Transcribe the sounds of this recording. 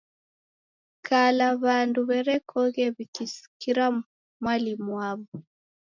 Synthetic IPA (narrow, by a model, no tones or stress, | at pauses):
kalaβanduβɛɾɛkʰɔɣɛβikisi̥kiɾa | mwalimuaβu